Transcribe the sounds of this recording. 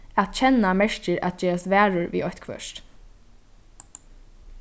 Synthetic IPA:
æt̪t͡ʃʰɛnamɛʂcɪɹæ̰t̪̚d͡ʒeːɹast̪ʋæːɹʊɹʋḭːɔçt̪kʰʋœ̰ʂt̪

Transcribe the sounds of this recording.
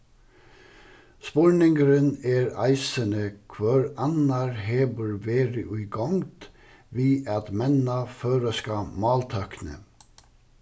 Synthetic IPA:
spɔɹɳɪŋɡɾəneːɾɑɪsənəkʰʋøːɾɑnɑɾheːbəɹʋeːɾəʔʉʏɡɔŋd̪̥ | ʋiːʔɑt̪mɛnɑføːɾəskɑmɑːlt̪ʰœknə̰

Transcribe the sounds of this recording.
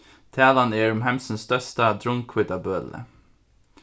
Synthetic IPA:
t̪ʰæːlaneːɹɔmɦɛmsənst̪œst̪ad̪ɾʊŋkʰwɪd̪abøːlə̰

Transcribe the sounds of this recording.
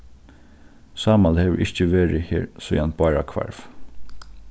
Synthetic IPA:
saːmalhɛːʋɹʔɪht͡ʃəʋeːɹɪhɛ̰ːɹsɔjanbɑːɹa̰kʰva̰ɹv

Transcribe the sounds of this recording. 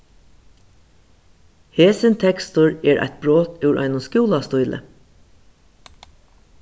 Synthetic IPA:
heːsɪnt̪ʰɛkst̪ʊɹɛːɹʔæ̰ɪt̪̚bɹoːt̪ʉwɹʔɑ̰ɪnʊskuːlast̪ʊjlʔə̰

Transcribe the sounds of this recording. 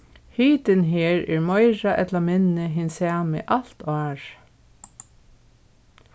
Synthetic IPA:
hiːt̪ɪnɦeːɹɛːɹmɔɪɹaʔɛt̪lamɪnəɦɪnsæːmɪ̰ʔal̥t̪ɑːɹ

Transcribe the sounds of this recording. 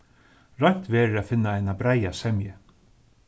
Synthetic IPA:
ɾɔjɲt̪vɛːɾɪafɪnːaajnabɾajasɛmjɪ

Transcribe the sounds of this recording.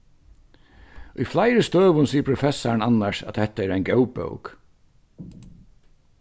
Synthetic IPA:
ʔʊjflajɾəst̪øːʋʊnsiːəɾpʰɾʊfɛsaɳanːasa̰t̪hɛt̪aɛːɾaɪnɡɛwpœ̰ʊk

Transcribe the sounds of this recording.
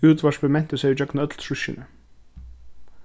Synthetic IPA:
uːt̪vḁspʏmɛn̥t̪ʏsejt͡ɕœknaœt̪lsusːɪ̰nʏ

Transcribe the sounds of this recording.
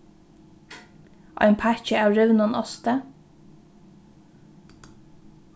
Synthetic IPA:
ʔɑ̰ɪnpʰæçəæːɹœʋnɑnɔst̪ə

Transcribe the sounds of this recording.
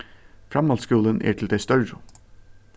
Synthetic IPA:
fɾɑmɑlskʉːlənʔæ̰ːʈʰɪld̪eɪst̪œɹɾu

